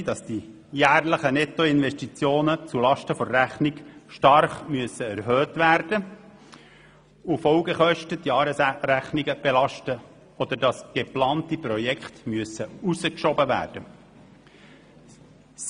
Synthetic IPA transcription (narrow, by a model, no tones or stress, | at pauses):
dɑsd̥i | jæːrləχənɛt̪ɔɪnʋɛʃtit͡sjoːnət͡sulɑʃtəfɔɾːæχnɪkʃtɑrχmyəsəæɾɦøːtʋæɾd̥ə | ufɔʊɡəχœʃtətdjɑːɾəsɾæχnɪɡəb̥elɑʃtə | ɔd̪əɾdɑsɡ̥eplɑːntipɾɔjɛkχtmyəsəuzəkʃɔbəʋæ̰ːrd̥ə